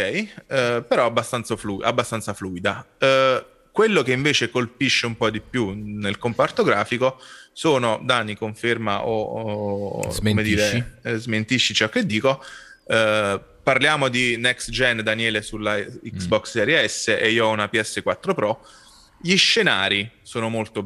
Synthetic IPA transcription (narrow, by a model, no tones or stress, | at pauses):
kɛjpeɾɔabːast̪ant̪sofluʔa̰bːast̪ant̪safluːid̪a | kwelːokeiɱveːt͡ʃekolpiʃːeumpɔd̪ipjunelkompart̪oɡɾaːfikosoːnod̪aːnikoɱfermaʔo | komed̪iːɾezment̪iʃːit͡ʃɔkːed̪ːiːko | parljaːmod̪inɛksd͡ʒɛnd̪anjɛːlesulːaiksbɔkssɛɾjeɛsːeʔeiːoɔunapiɛsːekwat̪ːɾopɾɔ | ʎiʃːena̰ːɾisoːnomolt̪o